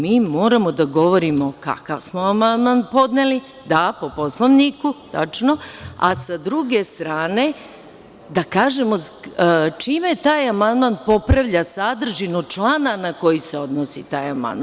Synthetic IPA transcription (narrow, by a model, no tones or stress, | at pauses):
miːmo̞ːɾamo̞d̪aɡo̞ʋo̞ɾimo̞ka̰kaʋsmoamand̪manpo̞d̪neli | d̪apo̞po̞slˠoʋnikut̪a̰t͡ʃno̞a̰sad̪ɾuɡe̞st̪ɾaːne̞ | d̪akaːʒemo̞ | t͡ʃiːme̞t̪aːjamand̪manpo̞pɾaʋʎasad̪r̩ʒinot͡ʃlˠaːnanako̞jise̞o̞d̪nosit̪aːjama̰nd̪m